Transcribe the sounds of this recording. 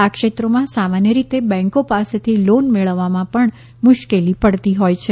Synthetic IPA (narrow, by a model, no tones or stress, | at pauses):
akʃet̪ɾomãsamanjəɾit̪ebɛ̃ŋkopaset̪ʰilonmeɭəʋːamãpəɳ | mʊʃkelipəɽt̪iɦojt͡ʃʰe